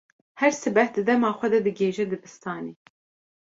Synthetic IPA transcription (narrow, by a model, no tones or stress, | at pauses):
hɛɾsɨbɛhd̪ɨd̪ɛmɑːxʷɛd̪ɛd̪ɨɡeːʒɛd̪ɨbɨst̪ɑːneː